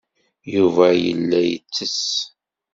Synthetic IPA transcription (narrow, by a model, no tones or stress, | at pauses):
juvæjə̰lːæjət͡sːəs